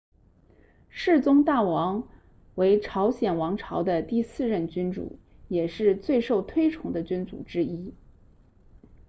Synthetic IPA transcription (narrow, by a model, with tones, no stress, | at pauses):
ʂɻ̩˥˩t͡sʊ˥ŋt̪a˥˩wɑ˧˥ŋ | we˧˥ɪʈ͡ʂʰɑ˧˥ʊɕjɛ˨˩nwɑ˧˥ŋʈ͡ʂʰɑ˧˥ʊd̪ə˧t̪i˥˧sɹ̩˥˧ɻə˥˩nt͡ɕy˥nʈ͡ʂṵ˨˩˦ | jɛ˨˩ʂɻ̩˥˧t͡swe˥˧ɪʂo˥˩ʊt̪ʰwe˥ɪʈ͡ʂʰʊ˧˥ŋd̪ə˧t͡ɕy˥nt͡sṵ˨˩ʈ͡ʂɻ̩˥i˥